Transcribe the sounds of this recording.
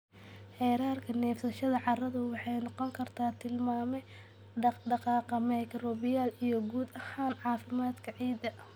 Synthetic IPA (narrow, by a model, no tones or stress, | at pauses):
ħɛːɾaːrkʰɐnɛːfsɐʃɐðɐʕɑrɐðʊwɑħɑjnɔqɔŋkʰɐrt̪ʰaːt̪ʰɪlmaːmɛj | ɖɑqɑːqɐmɐjkʰɾɔːbɪjaːlijɔɡuːd̪ɐhaːnʕɑːfɪmaːd̪kʰɐʕiːd̪ɐ